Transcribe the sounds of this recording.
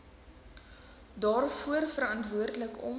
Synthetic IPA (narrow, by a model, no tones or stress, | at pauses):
dɑːrfuərfəɾɐntvuərdələkɔ̰m